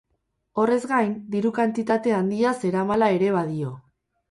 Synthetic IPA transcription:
o̞re̞zɡajnd̪iɾukant̪it̪at̪e̞and̪iase̞ɾamalae̞ɾe̞β̞aðio̞

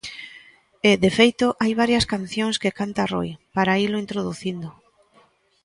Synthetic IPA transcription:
ɪðefejt̪oʔajβ̞aɾjɐskan̟θjoŋskekant̪aro̰jpaɾailʊint̪ɾoðuθind̪ʊ

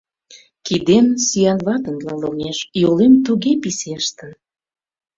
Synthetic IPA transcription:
kid̪ensyjɑnvɑt̪ənlɑloŋeʃjolemt̪uɣepiseʃt̪ə̆n

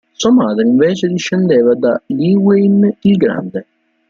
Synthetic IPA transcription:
suamaːd̪ɾeiɱveːt͡ʃed̪iʃːend̪eːvad̪aliːwejnilɡɾa̰nd̪e

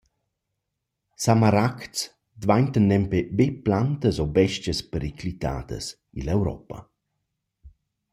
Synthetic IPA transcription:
samaɾakt͡s | d̪vaɲt̪ənːɛmpebeplant̪əsobɛʃtəspəɾikʰlit̪a̰ːd̪ə̰s | ilɛwɾɔ̰pə̰

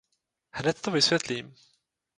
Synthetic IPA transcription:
hnɛt̪t̪ovɪsvjɛt̪liːm

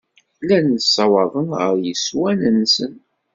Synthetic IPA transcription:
lænsːɑwɑðˤənʁə̰ɾjəswænənsən

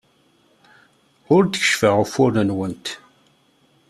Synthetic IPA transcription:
ʊɾd̪əçə̥ʃfəʁʊfʊɾnənwənt̪

